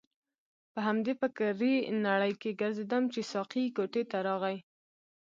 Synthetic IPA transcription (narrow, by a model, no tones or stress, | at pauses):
pəɦamd̪epəkaɾinaɽəjkeɡaɾzed̪amt͡ʃesɑqikoʈet̪aɾɑɣaj